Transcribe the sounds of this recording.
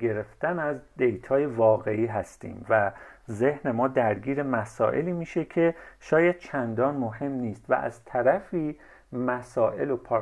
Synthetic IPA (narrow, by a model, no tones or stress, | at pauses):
ɡe̞ɾe̞ft̪ænæzd̪e̞jt̪ʰɒːje̞vɒːɣe̞ʔiːɦæst̪ḭːmvæze̞hne̞mɒːd̪æɾɟiːɾe̞mæsɒ̰ːʔe̞liːmiːʃe̞cʰe̞ʃɒːjæd̪̥̚t͡ʃʰænd̪ɒːnmohe̞mniːst̪væ̰ʔæ̰z̥t̪ʰæɾæfiː | mæsɒːʔe̞lopʰɒː